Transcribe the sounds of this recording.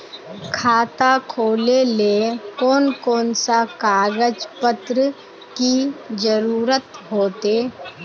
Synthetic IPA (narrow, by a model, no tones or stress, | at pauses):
kʰaːt̪akʰoːleleːkɔːnkɔːnsakaːɡəd͡ʒpət̪ɾə | kid͡ʒəɾuːɾət̪ɦoːt̪eː